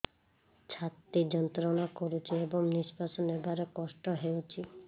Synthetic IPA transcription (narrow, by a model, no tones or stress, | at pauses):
t͡ʃʰat̪ːid͡ʒɔnt̪ɾɔnakɔɾut͡ʃʰiebɔŋnispasɔnebaɾekɔsʈɔɦewt͡ʃʰi